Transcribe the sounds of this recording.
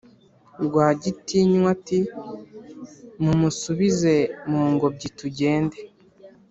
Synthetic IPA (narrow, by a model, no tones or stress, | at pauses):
ɾɡwaːɟitiɲwati | mumusuβize̞muːŋɡo̞bɟituɟe̞ːnde